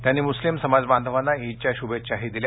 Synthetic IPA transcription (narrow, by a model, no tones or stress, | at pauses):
t̪janːiːmuslimsəmad͡zband̪ʱəʋanːaɦit͡ɕjaɕubet͡ɕaɦid̪ilj